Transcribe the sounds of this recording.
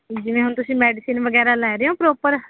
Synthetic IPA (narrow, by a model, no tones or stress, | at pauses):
d͡ʒɪʋẽːɦʊnt̪ʊsĩːmɛːɖɪsinʋəɡɛːɾaːlɛːɾeɦõːpɾoːpəɾ